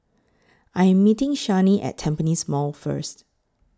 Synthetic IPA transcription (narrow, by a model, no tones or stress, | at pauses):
ʔajɛ̃mːitɪ̃ŋʃaniʔɛ̰tʰɛ̃mpənismɔlfə̰st